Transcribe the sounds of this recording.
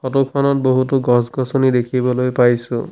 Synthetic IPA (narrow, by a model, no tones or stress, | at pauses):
kɔtɔkʰɔnɔt̚boɦutuɡɔsɡɔsɔnid̪ekʰibɔlojpajsʊ̰̃